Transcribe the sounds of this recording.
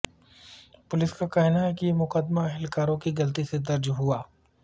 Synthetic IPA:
pʊlɪskakaːɦɪnaɦɛkijemʊqəd̪maɐɦɪlkaːɾõkiɡɐlt̪ised̪ɐɾd͡ʒɦuaː

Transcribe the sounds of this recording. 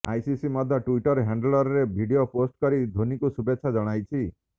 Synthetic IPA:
a̰jsisimɔd̪ʱːjɔʈuiʈɔɾɦaɳɖlɔɾɾebʱiɖioposʈkɔɾid̪ʱonikusubetːʃʰad͡ʒɔɽ̃ajt͡ʃʰi

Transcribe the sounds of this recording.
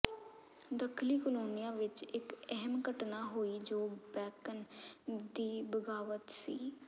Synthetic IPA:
d̪əkʰliːkəloːnɪjãːʋɪt͡ʃɪkɛɦəmkəʈnaːɦoːiːd͡ʒoːbɛːkənd̪iːbəɡaːʋət̪siː

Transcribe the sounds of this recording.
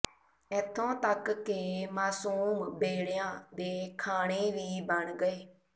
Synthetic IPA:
ɛt̪ʰːõːt̪əkːɪmaːsuːmbeːɽjãːd̪eːkʰaːɳ̃eːʋiːbəɳɡəeː

